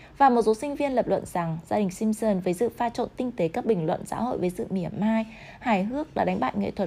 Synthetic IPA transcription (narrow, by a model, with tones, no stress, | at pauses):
vaː˨˩mo˨˩t̚so˨˦sï˧ŋ̟vi˧ənləː˨˩p̚lwə̰˧˨nz̥a˨˩ŋzaː˧ɗï˨˩ŋ̟si˧msəː˧nvəː˨˦jzɨ̰˧˨faː˧t͡ɕo̰˧˨nt̪ï˧ŋ̟t̪e˨˦kaː˦˥k̚ɓï˨˩ŋ̟lwə̰˧˨nsa̰ː˧˥ho̰˧˨jvəː˨˦jzɨ̰˧˨mi˧˩əmːaː˧j | haː˨˩jɦɨ˦˥ək̚ɗaː˧˩ɗa˨˦jŋ̟ɓa̰ː˧˨jŋḛ˧˨t̪ʰwə˨˩t̚